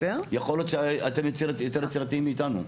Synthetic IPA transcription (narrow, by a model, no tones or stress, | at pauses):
ejaχoljot̪ʃeat̪e̞mjot͡siʁajot̪e̞ʁt͡siɾat̪iimːiːt̪anṵ